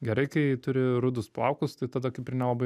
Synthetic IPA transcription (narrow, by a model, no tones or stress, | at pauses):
ɡʲɛɾɐɪkɐɪt̪ʊɾʲɪɾʊd̪ʊsplˠɐ̰ʊkʊst̪ɐɪt̪ɐd̪ɐkɐɪpɪɾnʲɛlˠɐbɐɪ